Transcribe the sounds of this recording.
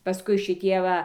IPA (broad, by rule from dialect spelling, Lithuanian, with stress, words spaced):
pɐˈskʊɪ ʃʲɪˈtʲiɛ ˈʋɐ